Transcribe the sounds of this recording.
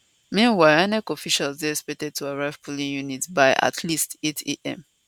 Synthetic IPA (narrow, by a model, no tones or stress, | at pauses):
mĩnwaɪanɛkɔfiʃalsdeɹɛspɛk̚tɛd̚tʰuaɹaɪv̥pʰulĩnjunitbaɪʔa̰tʰlistetʰeʔɛ̰̃m